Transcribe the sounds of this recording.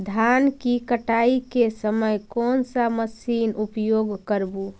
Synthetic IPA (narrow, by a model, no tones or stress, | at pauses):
d̪ʱankikəʈaikesəməjkɔːnsaməsiːnupjoɡkəɾbu